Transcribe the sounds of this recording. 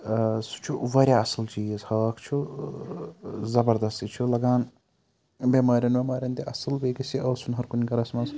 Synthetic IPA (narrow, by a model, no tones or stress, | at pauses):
su̥t͡ʃʰuʋɐɾʲjaɐsɐlt͡ʃiɐzhɐːkʰt͡ʃʰu | zɐbɐɾd̪ɐst̪it͡ʃʰulɐɡaːn | bʲemaːɾʲɐnbemaːɾʲjɐnt̪iʔɐsɐlbeːɡɐsiɐːsunɦɐɾkunʲikɐɾɐsmɐs